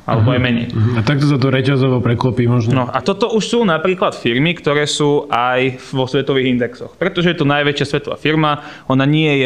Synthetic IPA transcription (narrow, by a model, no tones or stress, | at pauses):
ʔa̰lɛbɔajmɛɲɛ̰j̩at̪ak̚t̪ɔsat̪ɔɾɛcazɔʋɔpɾɛklɔpiːmɔʒnnɔa̰t̪ɔt̪ɔuʃsuːnapɾiːklat̪fiɾmikt̪ɔɾɛːsuːʔajʋɔsʋɛt̪ɔʋiːɣind̪ɛksɔ̰xpɾɛt̪ɔʒɛjɛt̪ɔnajʋɛt͡ʃɪasʋɛt̪ɔʋa̰ːfiɾma | ɔnaɲɪɛɛjɛ